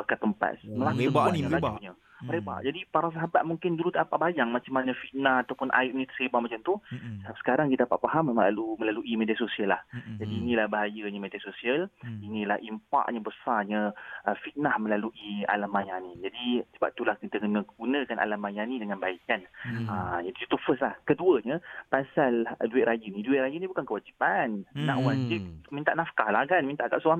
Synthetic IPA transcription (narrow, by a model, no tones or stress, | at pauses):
pakat̪əmpa̰t̪̚məlakəbaniəauɲə | məɾeba̰ʔd͡ʒadipaɾas̬aɦabat̪̚muŋkɪndulut̪apaʔbajaŋmat͡ʃamanəfit̪̚nahat̪awpʊnʔa̰ɪʔ̚nit̪ə̥sebamat͡ʃamt̪usə̥kaɾaŋkit̪adapaʔ̪̚paɦammlaluməlaluʔimediasosiəlːahd͡ʒadiːnĩlahbaɦajaɲəmediasosiəlinĩlahʔimpa̰k̚ɲəbəsarɲəəfit̪̚nahməlaluʔia̰lamːajanid͡ʒadisəba̰p̚t̪ulahkit̪aɡunəɡ̥unə̃kana̰lamːajanĩdəŋãnbaikanəd͡ʒadiut̪ufəslahkəduəɲəpasalduɪʔ̪̚ɾʔajənĩduɪt̪̚ɾajənĩbukankəwad͡ʒipannã̰ʔuwand͡ʒɪk̚mint̪aʔnafkalahkanmint̪aʔɡaʔsua